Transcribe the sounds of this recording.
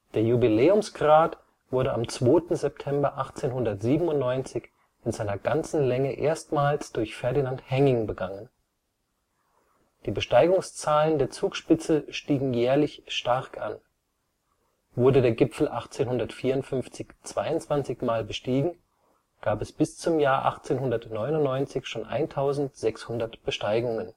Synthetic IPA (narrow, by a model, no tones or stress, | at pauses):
d̥eːɐjubileːʊmsɡ̥ʁaːt | v̥ʊɐɾəʔamt͡sv̥oːtn̩zɛp̚tʰɛmbɐʔaχt͡seːnhʊndɐtz̥iːbm̩ʊntnɔʏnt͡sɪç | ɪnzaɪnɐɡ̥ant͡sn̩lɛŋəʔeːɐstmaːlsd̥ʊɐçfɛɐdinanthɛŋɪŋbəɡaŋən | d̥iːbəʃtaɪɡʊŋst͡saːləndeːɐt͡suːkʃpɪt͡səʃtiːɡŋ̩jɛːɐlɪçʃtaʁkʰa̰n | vʊɐdədeːɐɡɪpp͡fl̩ʔaχt͡seːnhʊndɐtfiːɐʊntfʏnft͡sɪçt͡sv̥aɪʊntt͡sv̥ant͡sɪçmaːlbəʃtiːɡŋ̩ | ɡ̥aːpɛsb̥ɪst͡sʊmjaːɐʔa̰χt͡seːnɦʊndɐtnɔʏnʊntnɔʏnt͡sɪçʃoːnʔa̰ɪntʰaʊzn̩tz̥ɛkshʊndɐtb̥əʃtaɪɡʊŋən